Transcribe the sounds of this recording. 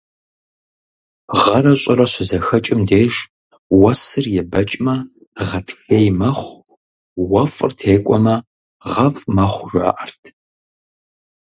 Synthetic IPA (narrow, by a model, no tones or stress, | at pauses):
ʁɐrɐɕʼɪrɐɕɪzɐxɐt͡ʃʼɪmdeːʂ | wɐsɨrjɛbɐt͡ʃʼmɐ | ʁɐtʰxejmɐχʷ | wɐfʼrtʰeːkʷʼɔmɐ | ʁɐfʼmɐχʷʒʷa̰ːʔɐrtʰ